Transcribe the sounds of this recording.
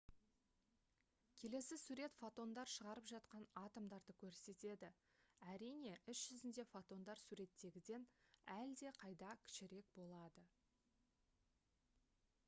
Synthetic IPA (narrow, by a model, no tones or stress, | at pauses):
kʲʰe̞le̞sɪsuɾe̞t̪fot̪o̞nd̪ɑɾʃəʁɑɾəpʒɑt̪qɑnɑt̪omd̪ɑɾd̪əkʲʰɵɾse̞t̪e̞d̪ɪ | æɾijne̞ʏsʒ̥ʏzɪnd̪e̞fot̪o̞nd̪ɑɾsuɾe̞t̪ːe̞ɡʲɪd̪e̞næld̪e̞qʰɑjd̪ɑkʲʰɪ̥ʃɪɾe̞k̚bo̞lˠɑd̪ə